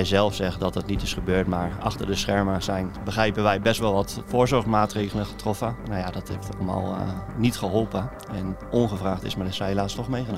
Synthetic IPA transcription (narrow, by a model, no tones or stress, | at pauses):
ɛjzɛlˠfsɛɣədɔt̚dətnitɪsχəbøːɹtmaːɹɑ̰xtəɹdəsχɛɹməsɛjnbəxrɛjpəʋɛjbɛstʋɛlˠʋɔtfʊːɹzɔɹχmaːtreːɣələχə̥trɔfənawjadɔtheftɔ̰lˠəma̰ːlˠnitχəɦɔlˠpə | ɛnɔnχəvraːxtɪsmarɪsɛjlaːstɔxmejχəno